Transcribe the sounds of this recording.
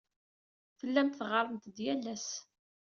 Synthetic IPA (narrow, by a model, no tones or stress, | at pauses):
fəlːæmt̪θʁəɾˤəmt̪d̪jælːæs